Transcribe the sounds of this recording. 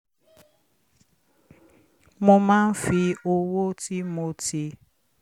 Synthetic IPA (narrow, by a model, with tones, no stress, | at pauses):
mʊ˦ma˦m̩˦fi˦o˦wo˦ti˦mo˦ti˦